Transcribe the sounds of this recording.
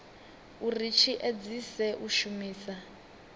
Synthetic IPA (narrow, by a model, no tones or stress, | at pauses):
urit͡ʃʰiʔed͡zisɛʔuʃumiːsa